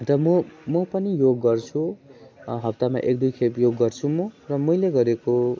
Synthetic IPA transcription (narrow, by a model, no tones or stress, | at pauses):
t̪ʌmʌmʌpʌnijoɡːʌrt͡sʰu | ɦʌp̚t̪ama̰ʔek̚d̪ujkʰepjoɡːʌrt͡sʰumʌrʌmʌjleɡʌɾeko